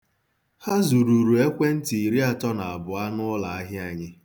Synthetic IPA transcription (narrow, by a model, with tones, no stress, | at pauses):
ha˦zu˨ɾu˨ɾu˨e˦kʷe˦n̩˦ti˨i˨ɾi˦a˦tɔ˦na˨a˨bʊ˨a˦nʊ˦la˨a˦ɦɪ˦a˨ɲɪ˦